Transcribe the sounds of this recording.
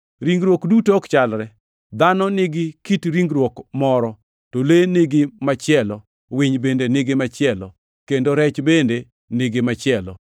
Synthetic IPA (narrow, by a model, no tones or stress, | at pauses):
ɾiŋɡɾwokdutokt͡ʃalɾɛ | d̪anɔnɪɡɪkitɾiŋɡɾwokmɔɾɔ | tolenɪɡɪmat͡ʃɪɛlɔ | wɪɲbendenɪɡemat͡ʃɪɛlɔ̰ | kendoɾɛt͡ʃbende | nɪɡɪmat͡ʃɪɛlɔ̰